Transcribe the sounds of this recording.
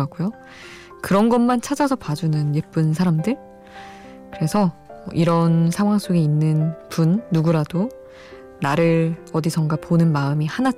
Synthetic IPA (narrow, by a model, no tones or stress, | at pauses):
ak͈ujo | kɯɾʌnɡʌnmant͡ɕʰad͡ʑasʰʌpad͡ʑunɯnjep͈ɯnsʰaɾamdɯɭ | kɯɾe̞sʰʌʔiɾʌnsʰaŋwaŋs͈oɡeinːɯnpunːuɡuɾado | naɾɯɾʌdisʰʌŋɡaponɯnmaɯmihana